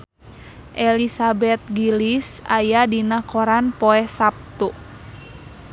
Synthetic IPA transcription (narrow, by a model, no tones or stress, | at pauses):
ʔɛlisabɛt̪̚ɡilisajadinakɔɾanpɔɛsap̚t̪u